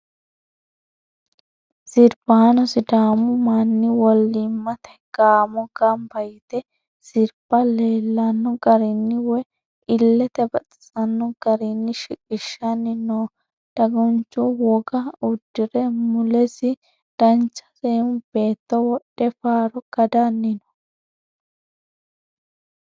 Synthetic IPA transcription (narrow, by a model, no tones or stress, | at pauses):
z̥ɪɾb̥aːnɔsɪd̪aːmɔmanːɪwɔlːɪmːɐt̪ɛɡ̥aːmɔɡɐmbɐjɪt̪ɛ | sɪɾb̥ɐleːlːɐnːɔɡɐɾɪnːɪwɛ | ɪlːɛt̪ɛbɐt͡sʼt͡sʼɐnːɔɡ̥ɐɾɪnːɪʃɪkʼɪʃːɐnːɪnoː | d̪̥ɐɡɔnt͡ʃːuwɔɡɐʊd̪ːɪɾɛmʊlɛsɪ | d̪̥ɐnt͡ʃːɐ̥seʊb̥e̞ːt̪ːɔwɔɗɛfaːɾɔɡ̥ɐd̪anːɪnɔ̥